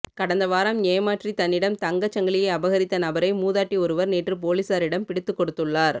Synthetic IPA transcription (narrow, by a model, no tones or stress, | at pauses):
kɐɽɐnd̪ɐʋaːɾamneːmaːʈrit̪ɐnːɪɽɐmt̪ɐŋɡɐt͡ʃːɐŋɡɐɭɪjɐɪɐbɐɣɐɾɪt̪ːɐnɐbɐɾɐɪmuːðaːʈːiɔɾɯʋɐɾneːʈrɯpoːlisaːɾɪɽɐmpɪɽɪt̪ːɯkːɔɽɯt̪ːɯɭːaːɾ